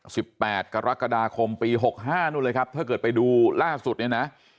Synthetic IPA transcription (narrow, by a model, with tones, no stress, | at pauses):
si˨˩pːɛː˨˩t̪̚ka˧ɾa˦˥kːa˧daː˧kʰo˧mpiː˧ɦo˨˩k̚ɦaː˥˩nuː˥˩ləː˧jkʰp̚t̪ʰɯ˥˩kɤː˨˩t̪̚pa˧jduː˧laː˥˩su˨˩t̪̚ni˥˩na˦˥ʔ